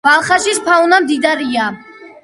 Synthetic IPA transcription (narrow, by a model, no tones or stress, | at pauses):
balˠχaʃispʰaunamd̪id̪aɾia